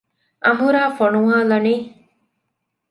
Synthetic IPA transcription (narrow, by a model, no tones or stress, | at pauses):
ɐmɦuɾaːfoɳuŋaːlɐniː